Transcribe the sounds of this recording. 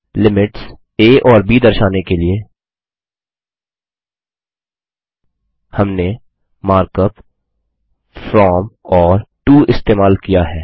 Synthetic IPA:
lɪmɪʈs | eːʔɔːɾbiːd̪ɐɾʃaːnekelie | hɐmne | maːɾkəp | fɾɔːmɔːɾʈuːɪst̪eːmaːlkijaɦɛː

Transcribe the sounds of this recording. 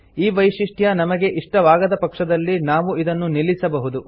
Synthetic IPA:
iːʋɐjʂiʂʈʰjɐnɐmɐɡe̞ʔiʂʈɐʋaːɡɐd̪ɐpɐkʂɐd̪ɐlːinaːʋuid̪ɐnːunilːisɐbɐɦud̪u

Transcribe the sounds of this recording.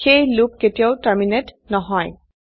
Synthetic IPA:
xejlukːetijaʊtaɹminet | nɔɦɔj

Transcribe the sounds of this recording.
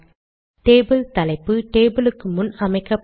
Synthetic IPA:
ʈeːbɨlt̪ɐlɐɪpːɯʈeːbɨlɯkːɯmʊnɐmɐɪkːɐpː

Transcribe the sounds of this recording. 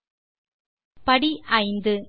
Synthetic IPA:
pɐɽiʔɐɪnd̪ɯ

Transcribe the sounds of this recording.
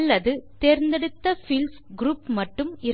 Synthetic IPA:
lːɐðɯt̪eːɾnd̪ɛɽɯt̪ːɐfɪlsɡɾuːpmɐʈːɯmɪɾ

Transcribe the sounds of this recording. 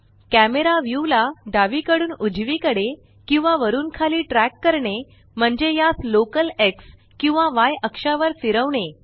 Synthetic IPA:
kæmeɾaʋjulaɖaʋikəɽuːnud͡ʑʋikəɽe | kĩw̃ʋaʋəɾuːnkʰaliːʈɾækːəɾɳe | m̤əɳd͡ʑejaslokəleks | kĩw̃ʋaʋajəkʂaʋəɾsiɾəʋɳe

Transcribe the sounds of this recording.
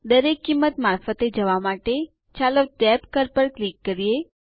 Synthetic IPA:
d̪əɾekːimːət̪maɾfət̪ed͡ʒəʋamaʈe | t͡ʃaləʈɛpkəɾpəɾklikːəɾije

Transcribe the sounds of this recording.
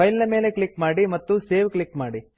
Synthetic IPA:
ɐjlnɐme̞ːle̞kɭikmaːɽimɐt̪ːuse̞ːʋkɭikmaːɽi

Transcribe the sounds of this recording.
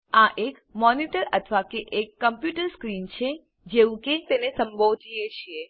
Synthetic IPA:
aʔekmɔniʈəɾət̪ʰəʋakeʔekːəmpjuʈəɾskɾint͡ʃʰe | d͡ʒeʋũket̪enesə̃mbʱoʋd͡ʒ̪ijet͡ʃʰie

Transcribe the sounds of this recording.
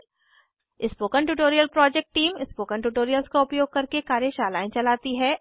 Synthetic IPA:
ɪspoːkəɳʈuːʈoːɾijəlpɾɔːd͡ʒɛk̚ʈʈiːmɪspoːkəɳʈ̬uːʈoːɾijəlskoʊpjoːɡ̚kɐɾkekaːɾjeʃaːla̰ːẽt͡ʃɐlaːt̪iɦɛː

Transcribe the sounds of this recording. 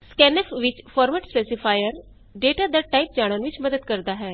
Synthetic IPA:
skɛːnɛpʋɪt͡ʃpʰɔːɾmɛːʈspeːsɪpʰaːjəɾ | ɖeːʈaːd̪aːʈaːip̚d͡ʒaːɽ̃ənʋɪt͡ʃməd̪əd̪kəɾd̪aːɦɛː

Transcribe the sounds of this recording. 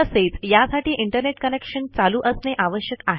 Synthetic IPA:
əset͡sjasaʈiːʔiɳʈəɾneʈkənekʂənt͡saluːʔəsneʔaʋəɕjəkaɦe

